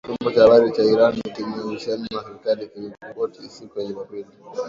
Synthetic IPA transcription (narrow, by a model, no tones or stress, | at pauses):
t͡ʃɔmbɔt͡ʃahawaɾit͡ʃaiɾankimɛusiaɲimasɛɾikalikilikɔkɔtʰisikujaʄumapili